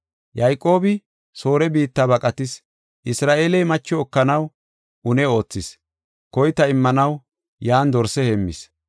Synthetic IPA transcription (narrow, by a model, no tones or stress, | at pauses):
jɐjkʼo̞ːbɪ | so̞ːɾɛbiːt̪ːaːbɐkʼɐt̪ɪs | ʔɪsɾaːʔeːlɛjmɐt͡ʃːɔɔkːɐnɐw | ʔʊnɛo̞ːt͡sːɪs | kɔjt̪ɐɪmːɐnɐw | jaːnd̪ɔɾsɛhemːɪ̰s